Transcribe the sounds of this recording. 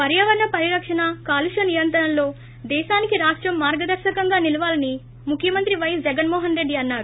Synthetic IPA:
pɐɾjɐʋɐɾɐɳɐpɐɾiɾɐkʂɐnɐkaːluʃɐnijɐnt̪ɾɐɐmlo̞ː | d̪ɛːʃaːnikiɾaːʂʈɾɐmːaːɾɡɐd̪ɐɾʃɐkɐŋɡaːnilɐʋaːlɐni | mukʰːjɐmɐnt̪ɾiʋɐjɐsd͡ʒɛɡɐnmɔːɦɐnɾe̞ɖːiɐnːaːɾu

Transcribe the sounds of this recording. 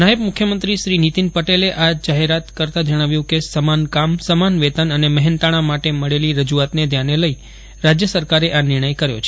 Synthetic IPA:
naəb̚mʊkʰjəmənt̪ɾiʃɾinit̪inpəʈeleʔad͡ʒaɦeɾat̪kəɾt̪ad͡ʒəɽ̃aʋjũkesəmankamsəmanʋet̪anəneməɦɛnt̪aɽ̃amaʈeməɭeliɾəd͡ʒuat̪ned̪ʱjaneləi | ɾad͡ʒjəsəɾkaɾeʔanɪɾɳəjkəɾjo̰t͡ʃʰ

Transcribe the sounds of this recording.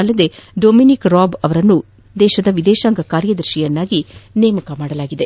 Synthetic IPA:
ɐlːɐd̪e̞ɖoːminikɾaːbɐʋɐɾɐnːu | d̪ɛːʃɐd̪ɐʋid̪ɛːʃaːŋɡɐkaːɾjɐd̪ɐɾʃijɐnːaːɡineːmɐkɐmaːɽɐlaːɡid̪e

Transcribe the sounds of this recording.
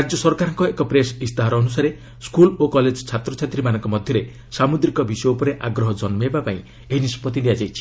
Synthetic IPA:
ɾad͡ʒjɔsɔɾkaɾɔŋkɔekɔpɾesist̪aɦaɾɔːnusaɾe | skulokɔled͡ʒɔt͡ʃʰat̪ɾɔt͡ʃʰat̪ɾimanɔŋkɔmɔd̪ʱjɔɾe | samud̪ɾikɔbisɔjɔupɔɾeʔaɡɾɔɦɔd͡ʒɔnmebapaĩ | eɦinisɔ̥pɔt̪iniad͡ʒajt͡ʃʰi̥

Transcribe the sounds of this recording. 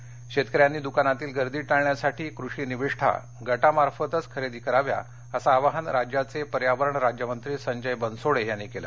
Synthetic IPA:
ɕet̪kəɾjanːiːd̪ukanat̪iːlɡəɾd̪iːʈaɭɳjasaʈiːkɾuʂiːniʋiʂʈʰa̰ | ɡəʈamaɾfət̪ət͡skʰəɾed̪iːkəɾaʋja̰ | əsaːʋaɦənɾad͡ʑjat͡sepəɾjaʋəɾəɳɾad͡ʑjəmənt̪ɾiːsəɲd͡ʑəjbənsoɽeɦjanːiːkela̰

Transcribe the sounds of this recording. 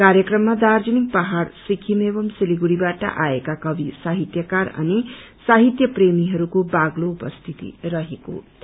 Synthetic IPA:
kaɾjʌkrʌmːad̪ard͡zʌnik̚pʌɦarsikʰimebʌmsiliɡuɽibaʈʌ̰ʔaekakʌbisaɦit̪jʌkaɾʌ̰ni | saɦit̪jʌpremiɦʌɾukobaɡloupʌst̪ʰit̪ḭrʌɦeko̰

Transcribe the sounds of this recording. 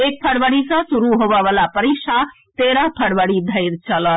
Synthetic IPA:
eːk̚pʰəɽʋəɽisãsʊɾuɦoːʋaʋalapəɾikʃa | t̪eːɾapʰəɽʋəɽid̪ʱɐɪɾt͡ʃɐlə

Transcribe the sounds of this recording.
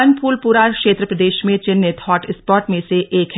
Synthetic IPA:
ɐnpuːlpuɾaːkʃeːt̪ɾəpɾɐd̪eːʃmẽt͡ʃɪnːẽt̪ʰɔːʈɪspɔːɾʈmẽseʔeːkʰ

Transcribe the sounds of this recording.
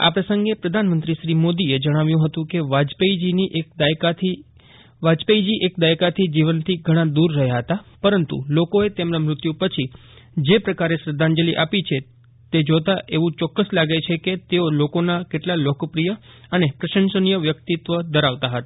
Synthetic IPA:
a̰pɾəsə̃ŋɡepɾəd̪ʱanmənt̪ɾiʃɾimod̪ied͡ʒəɽ̃aʋjũɦət̪ũkeʋad͡ʒpeid͡ʒiniʔekd̪akat̪ʰi | ʋad͡ʒpeid͡ʒiʔekd̪ajkat̪ʰid͡ʒiʋənt̪ʰiɡʱəɽ̃ad̪uɾːəɦjaɦət̪apəɾənt̪ṵlokoet̪emnamɾʊt̪jũpət͡ʃʰi | d͡ʒepɾəkaɾeʃɾəd̪ʱand͡ʒəliʔapit͡ʃʰe | t̪ed͡ʒot̪aʔeʋũt͡ʃɔkːəslaɡet͡ʃʰeket̪eolokonakeʈlalokpɾijəənepɾəʃənsənijəʋjək̚t̪it̪ʋəd̪əɾaʋt̪aɦət̪a

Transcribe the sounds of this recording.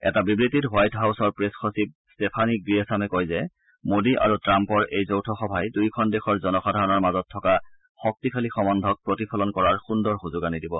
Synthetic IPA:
ɛ̰tabibɹititɦwajtɦawsɔɹpɹesxosip̚ | stepʰanik̚ɡɹiɛsamɛkojzɛ | modiʔa̰ɹutɹampɔɹejzowtʰɔxɔbʱajdujkʰɔndexʰɔɹzɔnɔxadʱaɹɔnɔɹmazɔtʰːɔka | xɔk̚tikʰalixɔmɔndʱɔk̚pɹotipʰɔlɔnkɔɹaɹxundɔɹxuzʊɡanidibɔ

